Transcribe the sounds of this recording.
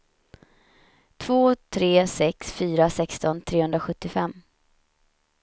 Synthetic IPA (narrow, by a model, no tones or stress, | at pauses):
t̪ʰv̥oːt̪ʰɾeːsɛksfyːɾasɛkst̪ɔnt̪ʰɾeːhɵnd̪ɾaɧɵt̪ːɪfɛmː